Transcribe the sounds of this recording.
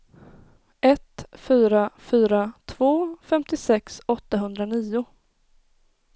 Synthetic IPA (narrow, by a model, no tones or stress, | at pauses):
ɛt̪fyːɾafyːɾat̪ʰv̥oːfɛmt̪ɪsɛksɔt̪ːaɦɵnd̪ɾaniːʊ